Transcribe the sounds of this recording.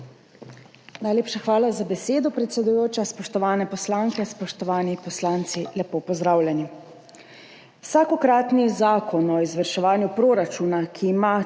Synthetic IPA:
najleːpʃaxʋaːlazabɛseːd̪ɔpɾɛt̪sɛd̪ujoːt͡ʃaspɔʃt̪ɔʋaːnɛpɔslaːŋkɛspɔʃt̪ɔʋaːnipɔslaːnt̪silɛpoːpɔzd̪ɾaːwlʲjɛni | wsaːkɔkɾaːt̪nizaːkɔnɔizʋəɾʃɛʋaːnjupɾoːɾat͡ʃuːnakʰiːma

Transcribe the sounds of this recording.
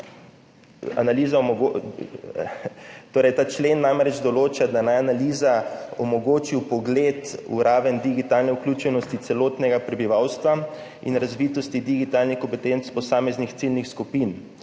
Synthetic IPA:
a̰naliːzamɔɡo | t̪oːɾɛjt̪aːt͡ʃleːnːamɾɛd͡ʒd̪ɔloːt͡ʃad̪anajanaliːzaɔmɔɡoːt͡ʃiwpɔɡleːt̪ṵɾaːʋɛnd̪iɡit̪alnɛuklʲut͡ʃɛnɔst̪it̪sɛloːt̪nɛɡapɾɛbiʋawst̪ʋa | ḭnɾazʋiːt̪ɔst̪id̪iɡit̪aːlnixkɔmpɛt̪ent̪spɔsaːmɛznixt̪silnixskupin

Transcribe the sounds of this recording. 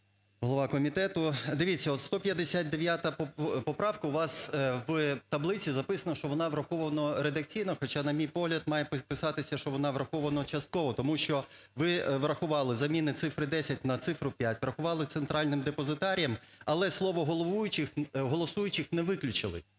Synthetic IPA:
ɦɔlˠɔʋɑkɔmʲit̪ɛt̪ʊd̪ɪʋʲit͡sʲːɐɔt̪st̪ɔpʲjɐd̪esʲat̪̚ʲd̪eʋʲjat̪ɐpɔpɾɑʋkɐʊʋɑsʋt̪ɐblˠɪt͡sʲizɐpɪsɐnɐʃt͡ʃɔʋɔnɑʋɾɐxɔʋɐnɔɾed̪ɐk̚t͡sʲijnɔxɔt͡ʃɑnɐmʲijpɔɦlʲɐd̪mɑjɛppɪsɑt̪ɪsʲɐʃt͡ʃɔʋɔnɑʋɾɐxɔʋɐnɔt͡ʃɐst̪̚kɔʋɔt̪ɔmuʃt͡ʃɔ | ʋɪʋɾɐxʊʋɑlˠɪzɐmʲinɪt̪sɪfɾɪd̪ɛsʲɐt̚ʲnɐt̪sɪfɾʊpʲjatʲʋɾɐxʊʋɑlˠɪt̪sent̪ɾʔɑlʲnɪmd̪epɔzɪt̪ɑɾʲijɐmɐlˠɛslˠɔʋɔɦɔlˠɔʋujʊt͡ʃɪxɦɔlˠɔsujʊt͡ʃɪxnɛʋɪklʲʊt͡ʃɪlˠɪ̰

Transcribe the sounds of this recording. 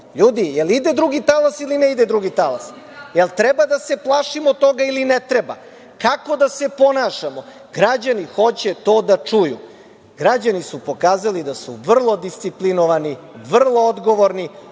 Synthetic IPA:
ʎuːd̪ijelid̪ed̪ɾuɡit̪alasilineid̪ed̪ɾuɡit̪alas | jelt̪ɾɛbad̪ase̞plˠaʃimot̪o̞ɡailinet̪ɾeba̰ | kako̞d̪ase̞po̞naʃamo | ɡɾad͡ʑanixo̞t͡ɕe̞t̪o̞ːd̪at͡ʂujṵ | ɡ̥ɾad͡ʑanisupo̞kaːzalid̪asṵʋr̩lˠo̞d̪ist̪siplinoʋaniʋr̩lˠo̞od̪ɡo̞ʋoɾni

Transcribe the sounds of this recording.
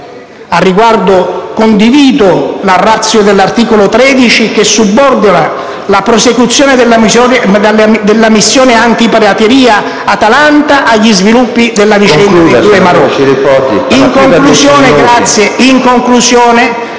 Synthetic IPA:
arːiɡward̪okond̪iviːd̪olarːat̪sːjod̪elːart̪iːkolot̪ɾɛːd̪it͡ʃikesːubːɔrd̪ona | lapɾosekut̪sːjɔːned̪elːad̪ad̪elːamisːjɔːneant̪ipaɾat̪eɾiːa | at̪alant̪aʔaʎːizvilupːid̪elːavit͡ʃɛnad̪emaɾɔ | iŋkoŋklusjɔːneɡɾat̪sːjeiŋkoŋklusjɔːne

